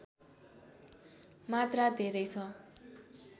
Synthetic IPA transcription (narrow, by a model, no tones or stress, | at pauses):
mat̪rad̪ʱeɾʌjt͡sʰʌ